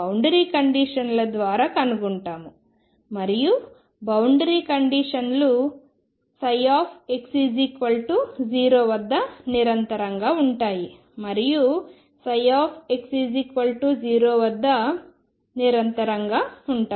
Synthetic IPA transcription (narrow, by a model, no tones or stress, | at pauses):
bɐwɳɖɐɾiːkɐɳɖiʂɐnlɐd̪ʋaːɾaːkɐnuɡuɳʈaːmu | mɐɾiju | bɐwɳɖɐɾiːkɐɳɖiːʂɐnlu | sɐjaːpʰeksiːd͡ʒikʋɐlʈud͡ʒiːɾoːʋɐd̪ːɐniɾɐnt̪ɐɾɐŋɡaːuɳʈaːji | mɐɾiju | sɐjaːpʰeksiːd͡ʒikʋɐlʈuːd͡ʒiːɾoːʋɐd̪ːɐ | niɾɐnt̪ɐɾɐŋɡaːuɳʈaː